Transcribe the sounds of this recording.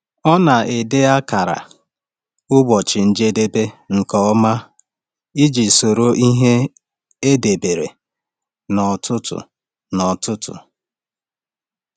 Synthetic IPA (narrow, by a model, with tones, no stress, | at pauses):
ɔ˦na˨e˨de˦a˦ka˨ɾa̰˨ | ʊ˦bɔ˨t͡ʃɪ˨n̩˦d͡ʒe˦de˦be˦ŋ̩˨kɔ˦ma˦ | i˦d͡ʒi˨so˨ɾo˦ʔi˦ɦe˦ | e˦de˨be˨ɾḛ˨ | nɔ˨tʰʊ˦tʊ̰˨ | nɔ˨tʊ˦tʊ̰˨